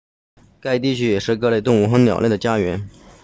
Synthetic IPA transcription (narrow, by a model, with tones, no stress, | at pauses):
ka˥˧ɪt̪i˥˩t͡ɕʰy˥jɛ˨˩ʂɻ̩˥˧kɤ˥˧le˥˩ɪʊ˥˧ŋu˥˩xɤ˧˥njɑ̰˨˩ʊljɛ˥˩d̪ə˩t͡ɕja˥ɥɛ˧˥n